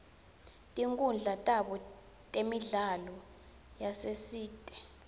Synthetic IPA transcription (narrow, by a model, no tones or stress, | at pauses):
tʼiŋkʼund͡ɮʱatʼaɓɔ | tʼemiɮalɔ | jasesiːtʼɛ̥